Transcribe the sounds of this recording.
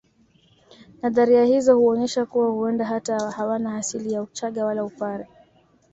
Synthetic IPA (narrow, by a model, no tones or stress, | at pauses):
naðaɾiahizɔhuɔɲɛʃakuwahuɛndaɦatahawanaːsilijaut͡ʃaɠawalaupaɾɛ